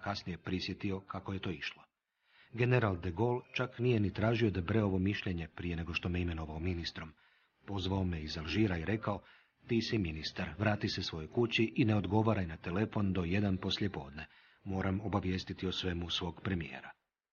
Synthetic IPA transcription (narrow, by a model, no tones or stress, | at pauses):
kasnije̞pɾisje̞t̪io̞kako̞je̞t̪o̞ːiʃlˠo̞ | ɡe̞neɾald̪eɡo̞lt͡ʃaknije̞nit̪ɾaːʒio̞d̪abɾeo̞ʋo̞miʃʎe̞ɲe̞pɾije̞ne̞ɡo̞ʃt̪o̞meime̞no̞ʋaominist̪ɾo̞m | po̞zʋaomeizalˠʒiːɾaiɾe̞kao | t̪iːsiminist̪aɾʋɾaːt̪isesʋo̞jo̞jkut͡ɕiʔine̞o̞d̪ɡo̞ʋaɾajnat̪e̞le̞fo̞nd̪o̞je̞d̪anpo̞slje̞po̞ːd̪ne̞ | mo̞ːɾamo̞baʋje̞ːst̪it̪iosʋe̞musʋo̞ːɡpɾe̞mijḛːɾa